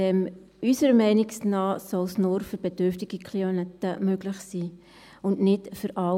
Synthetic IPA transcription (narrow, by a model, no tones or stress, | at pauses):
ɛm | ysəɾəmɛɪnɪksnɑːsɔlsnʊːɾfyɾb̥ed̥øɾftɪɡ̥ikʰlionɛt̪ːəmøɡlɪχsiː | ʊndnɪtfʏɾʔɑ